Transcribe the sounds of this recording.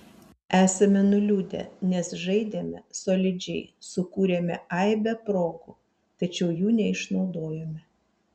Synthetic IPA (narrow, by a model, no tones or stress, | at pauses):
æːsɐmʲɛnʊlʲuːd̪ʲɛ̰nʲɛsʒɐɪd̪ʲemʲɛ̰soːlʲɪd͡ʒʲɛɪsʊkuːɾʲemʲɛɐɪbʲɛpɾoːɡu | t̪ɐt͡ʃʲɛʊjuːnʲɛɪʃnɒʊd̪oːjɛmʲɛ